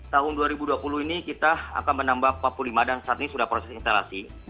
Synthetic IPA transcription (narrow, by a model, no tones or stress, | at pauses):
t̪aɦʊnduaɾibuduapuluhinikit̪aa̰kanmənambapapulimadansaaːt̪inisudahpɾosɛsinst̪ala̰si